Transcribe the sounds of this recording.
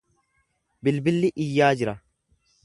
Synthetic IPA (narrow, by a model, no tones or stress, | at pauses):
bɪlbɪlːɪʔɪjːaːd͡ʒɪɾɐ